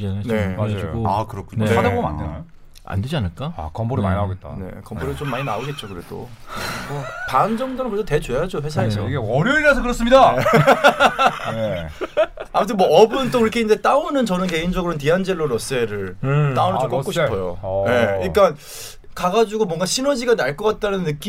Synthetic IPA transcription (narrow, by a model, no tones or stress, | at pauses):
eneaoakɯɾʌkʰuɲoadaboɡʌma̰ndeno | a̰nded͡ʑianɯɭk͈aa̰kʌmboɾea̰iaɡet͈a̰ne̞̰kʌmboɾɯt͡ɕomːaɲinaoɕet̚t͡ɕ͈okɯɾe̞d̥o̰mʌpand͡ʑʌŋdonɯnposʰʌte̞t͡ɕojad͡ʑoɸwe̞sʰaɦesoiɡeʌɾjʌiɾasʰʌkɯɾʌs͈ɯmɲidae | e | amʰutʰɯnmwʌʌbɯnt͈okiɾʌkʰeind͡ʑe̞t͈aonɯnt͡ɕʌnɯnkeind͡ʑʌɡɯɾont̬iɦand͡ʑeɭːoɾʌs͈e̞ɾɯɭnaonɯt͡ɕomkʌkoɕʰipʰʌjoje̞iɭk͈an | kaɡad͡ʑuɡomwʌŋɡaɕʰinod͡ʑiɡanaɭk͈ʌk͈at̚t͈anɯnːɯk͈i